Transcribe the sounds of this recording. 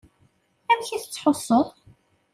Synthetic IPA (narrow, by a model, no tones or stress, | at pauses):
æmçiθt͡sːħosˤːoðˤ